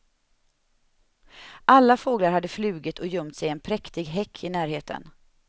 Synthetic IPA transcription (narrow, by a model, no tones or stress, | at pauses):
ʔalːafoːɡlaɾhad̪ːəflʉ̟ːɡɪt̪ʰɔjɵmt̪sɛjɛnpʰɾɛkt̪ɪɡɦɛkʰːɪnæːɾheːt̪ʰə̰n